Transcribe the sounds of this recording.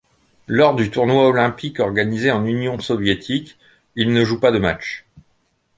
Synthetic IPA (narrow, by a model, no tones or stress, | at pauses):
lɔʁd̪yt̪uʁnwaɔlɛ̃pikɔʁɡanizeɑ̃nynjɔ̃sɔvjet̪ʰik | ilnəʒupad̪əma̰t͡ʃ